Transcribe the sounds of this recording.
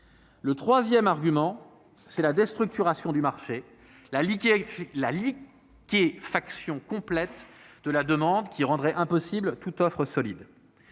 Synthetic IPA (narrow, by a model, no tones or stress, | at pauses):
lət̪χwazjɛmaʁɡʲymɑ̃ | sɛlad̪est̪χyk̚t̪yʁasjɔ̃d̪ymaʁʃe | la | lali | kʲefaksjɔ̃kɔ̃plɛt̪d̪əlad̪əmɑ̃d̪kʲiʁɑ̃d̪ʁɛʔɛ̃pɔsiblt̪ut̪ɔfχəsɔlid̪